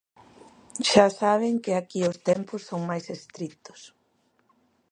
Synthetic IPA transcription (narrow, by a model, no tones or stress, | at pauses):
ʃasaβ̞ɪŋkɪakiʊst̪ɛmpʊsːoŋmajsest̪ɾit̪ʊ̥s